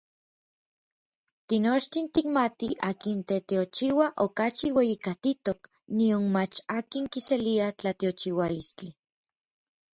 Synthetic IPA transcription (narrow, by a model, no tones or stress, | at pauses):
t̪inot͡ʃt̪int̪ikmat̪iakint̪et̪eot͡ʃiwaʔokat͡ʃiwejikat̪it̪ok | nionmat͡ʃaːkiŋkiseliat͡ɬat̪eot͡ʃiwalist͡ɬi